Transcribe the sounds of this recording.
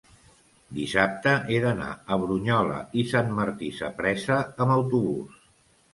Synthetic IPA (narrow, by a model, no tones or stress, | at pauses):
d̪isap̚t̪əʔeðəna̰əβɾuɲɔlə̰isanməɾt̪isə̰pɾɛsəəməwt̪uβṵs